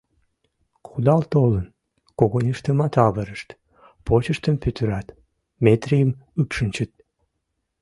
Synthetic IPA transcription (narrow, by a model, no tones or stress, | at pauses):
χud̪ɑlt̪olən | koɣonʲeʃt̪əmɑt̪ɑβəɾəʃt̪ | pot͡ɕəʃt̪əmpøt̪əɾɑt̪ | met̪rijəmypʃənʲt͡ɕət̪̚